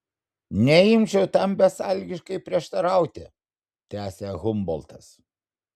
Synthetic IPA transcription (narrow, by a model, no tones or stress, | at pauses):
nʲɛɪmʲt͡ʃʲɛʊt̪ɐmbʲɛsɐˑlʲɡʲɪʃkɐɪpʲɾʲiɛʃt̪ɐɾɐˑʊt̪ʲɪ | t̪ʲæːsʲeːɣʊmbɔlˠt̪ɐs